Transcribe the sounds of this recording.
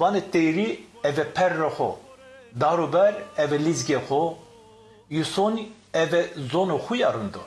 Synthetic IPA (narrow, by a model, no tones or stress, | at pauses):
vaːnet̪ejɾi | ɛvɛpʰɛrːɛxo̰ | d̪aːɾobɛɾɛvɛlizɡexo | juson | ɛvɛzonoxujaːɾɨnd̪o̰